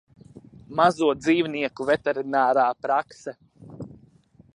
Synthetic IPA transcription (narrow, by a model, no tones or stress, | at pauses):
mazuɔd̪ziːwniɛkuvɛt̪ɛɾinaːɾaːpɾaksɛ